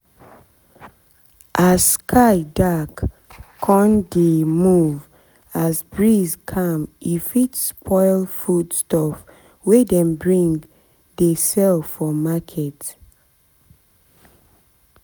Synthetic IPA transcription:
ʔazskʰaɪdakːʰ | ɔ̃ndemuv | azbɹizkʰãmifitspʰɔɪlfudstɔf | wedɛ̃mbɹĩŋ | desɛlffɔmakʰɛt

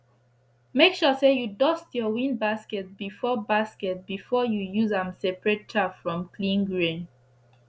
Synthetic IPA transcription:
mekʃɔsejudɔstjɔwĩnbaskɛt̚bifɔbaskɛt̚bifɔjujuzãmsɛpɹɛt̚tʰapfɹɔ̃mkʰlĩnɡɹẽn

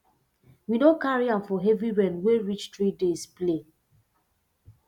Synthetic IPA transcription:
winokaɹiãmfɔɦɛviɹɛ̃nweɹit͡ʃtɹidesple

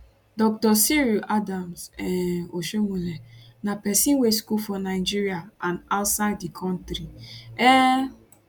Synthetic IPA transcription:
dɔk̚tɔsiɾuʔadamzɛoʃomulenapɛsĩweskufɔnaɪd͡ʒiɾiaãnaʊtsaɪddikʰɔ̃ntɾiɛ

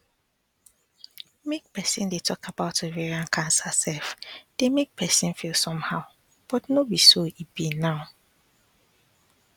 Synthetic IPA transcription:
mek̚pɛsĩndetʰɔkʰabaʊtəveɹiãnkʰãnsasɛlfd̥emek̚pʰɛsĩnfilˠsɔ̃mhaʊ | b̥ɔtnobisoibinaʊ

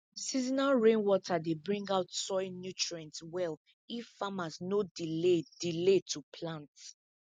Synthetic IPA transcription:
sizinaɹẽnwɔtʰadebɹĩŋɡaʊtsɔɪnjutɹiɛ̃ntwɛl | iffamasnodiled̥iletʰupʰlãnt

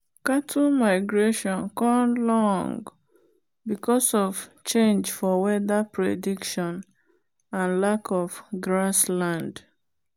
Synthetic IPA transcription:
katʰumaɪɡɹeʃɔ̃nkɔ̃lɔ̃ŋɡ | bikɔsɔv̥t͡ʃẽnd͡ʒfɔwɛðapɹedikʃɔ̃n | ãnlakʰɔfɡɹaslãnd

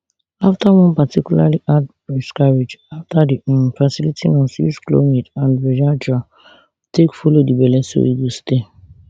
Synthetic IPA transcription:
aftawɔ̃npatʰikulaliʔad | ɹiskaɹed͡ʒaftadinfasilitʰinɔ̃nsḭsklo̰nedãndɹɛd͡ʒad͡ʒa | tʰekfulodibɛlɛso̰iɡuste

